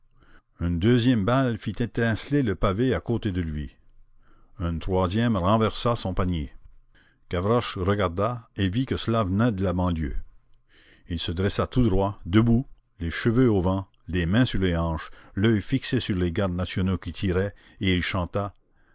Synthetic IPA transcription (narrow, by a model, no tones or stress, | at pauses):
ynd̪øzjɛmbalfit̪et̪ɛ̃sleləpaveakot̪ed̪əlɥi | ɛ̃t̪ʁwazjɛmʁɑ̃vɛʁsasɔ̃panje | kavɾɔʃʁəɡaʁd̪aevikəsəlavənɛd̪əlabɑ̃ljø̰ | ilsəd̪ʁɛsat̪ud̪ʁwad̪əbu | leʃəvøovɑ̃ | lemɛ̃syʁleɑ̃ːʃlœjfiksesyʁleɡaʁd̪nasjɔnokʲit̪ʰiʁɛ | eilʃɑ̃t̪a